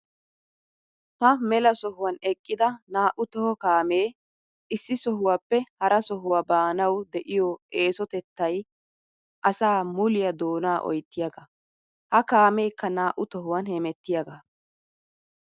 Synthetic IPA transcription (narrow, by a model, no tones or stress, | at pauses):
hɐmɛlɐsɔɦʊwɐnɛkʼːɪd̪ɐnaːʔʊt̪ɔhɔkaːmeː | ʔɪsːɪsɔɦʊwaːpːɛhɐɾʔɐsɔɦʊwaːbaːnɐwd̪ɛʔɪjɔʔeːsɔt̪ɛt̪ːɐj | ʔɐsaːmʊlɪjɐd̪oːnaːʔɔ̰jt̪ːɪjɐɡɐ | hɐkaːmejkːɐnaːʔʊt̪ɔɦʊwɐnhɛmɛt̪ːɪjɐɡɐ